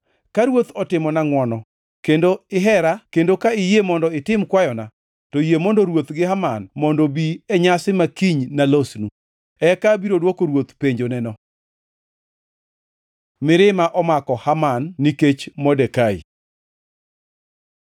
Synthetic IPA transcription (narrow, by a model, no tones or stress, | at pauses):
kaɾwot̪ɔtɪmɔnaŋwɔnɔ | kendoɪɦɛɾakendokaɪjemɔndɔɪtɪmkwajɔna | tɔjemɔndɔɾwot̪ɡɪhamanmɔndobiɛɲasɪmakiɲnalosnu | ɛkabiɾodwɔkoɾwot̪peɲd͡ʒonɛnɔ | mɪɾɪmaʔɔmakɔhamanːiket͡ʃmɔdɛkaḭ